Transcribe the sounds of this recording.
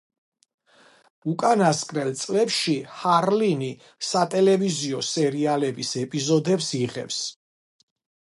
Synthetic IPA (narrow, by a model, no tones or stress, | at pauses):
ukʼanaskʼɾɛlt̪sʼlɛpʃihaɾlini | sat̪ʼɛlɛviziɔsɛɾialɛbisɛpʼizɔd̪ɛbsiʁɛ̰fs